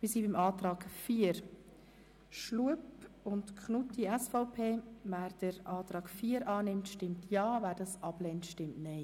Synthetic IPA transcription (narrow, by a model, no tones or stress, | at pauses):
ʋisiːbɪmɑːtɾɑːɡ̥fiːəɾ | ʃluəpʊntkχnutiɛsfɔʊpʰeːvæːɾd̥əɾɑːtɾɑːɡ̥fiːəɾɑːnɪmtʃtɪmtʰjɑːvæːɾdɑsɑb̥lɛntʃtɪmtnɛɪ